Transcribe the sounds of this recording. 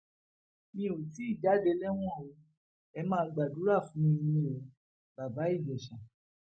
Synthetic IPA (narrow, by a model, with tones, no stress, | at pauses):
mĩ˦o˨ti˨˦i˦˨d͡ʒa˨˦de˨˧˦lɛ˦w̃ɔ̃˦˨o˨˧˦ | ɛ˧mãː˦˧ɡ͡ba˨du˨˦ɾa˦˨fũ˨˦ĩ˧i˧nĩ˧˦o˨˧˦ | ba˨ba˨˦i˦˨d͡ʒɛ˨ʃã˨